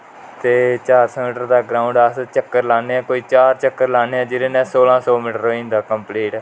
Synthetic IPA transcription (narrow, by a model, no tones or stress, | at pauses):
t̪eːt͡ʃaːɾsɛ̃ːmɪʈəɾd̪aːɡɾaːʊɳɖəst͡ʃəkːəɾlaːneːaːkoːiːt͡ʃaːɾt͡ʃəkːəɾlaːneːãːd͡ʒɪɾẽːnɛ̃ːsoːlãːsɔːmiːʈəɾoːĩːnd̪aːkəmpliːʈː